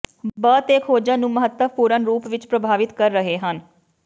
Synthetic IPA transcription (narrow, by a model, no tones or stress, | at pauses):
bəːt̪eːkʰoːd͡ʒãːnũːməɦət̪ːəʋpuːɾənɾuːpʋɪt͡ʃpɾəbʱaːʋɪt̪kəɾːəɦeːɦən